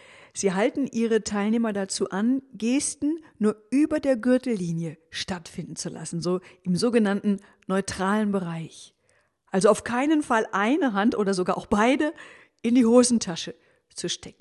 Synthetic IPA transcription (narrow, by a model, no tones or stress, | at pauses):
z̥iːɦaltn̩ʔiːʁ̞ətʰaɪlneːmɐdat͡suːʔanɡeːstn̩nuːɐʔyːbɐdeːɐɡʏɐtl̩ːiːnjəʃtatfɪndn̩t͡sula̰sn̩zoːʔɪmzoːɡənantn̩ | nɔʏtʁ̥aːlənbəʁaɪç | ʔalzoaʊfkʰaɪnənfalʔaɪnəɦantʔoːdɐzoɡaːɐʔaʊxb̥aɪdə | ʔɪndiːhoːzn̩tʰaʃə | t͡suʃtʰɛk̚ŋ̩